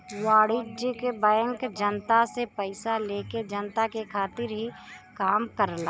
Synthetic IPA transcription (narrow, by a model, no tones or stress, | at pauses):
waːɽɪd͡ʒkebãːəŋkd͡ʒənt̪asepəɪsaleːked͡ʒənt̪akekʰaːt̪ɪɾɦikaːmkəɾlaː